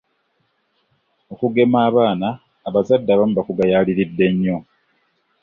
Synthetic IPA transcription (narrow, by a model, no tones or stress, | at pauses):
okuɡe̞maːβaːnaː | βazadːaβamubakuɡajaːliɾidːe̞ɲːo̞